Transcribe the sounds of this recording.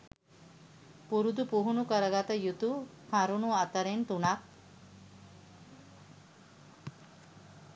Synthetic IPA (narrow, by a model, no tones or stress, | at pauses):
puɾud̪upuɦunukəɾəɡat̪əjut̪ufʰaɾunuat̪əɾent̪unak̚